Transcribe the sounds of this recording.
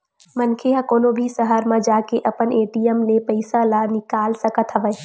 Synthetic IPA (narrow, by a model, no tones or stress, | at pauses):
mənkʰeɦãkoːnobʱisəɦəɾmãd͡ʒaːkeʔəpəneːʈijəmlepəɪsalanɪkaːlsəkət̪ɦəʋə